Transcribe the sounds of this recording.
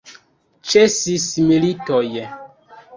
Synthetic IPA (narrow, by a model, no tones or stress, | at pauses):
t͡ʃesismilitoj